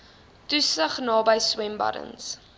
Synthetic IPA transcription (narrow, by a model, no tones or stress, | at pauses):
tusəχnɑːbəjswɛmbɐ̰də̰ns